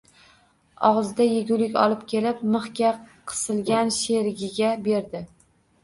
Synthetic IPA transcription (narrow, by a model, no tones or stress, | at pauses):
ɒʁzd̪ajeɡʲʊlɪkʲɒ̰lˠɪp̚kʲʰe̞lɪpmɨχkʲaqʰɨ̥sɪlɡʲanʃe̞ɾɪɡʲɪɡʲabe̞ɾd̪ɪ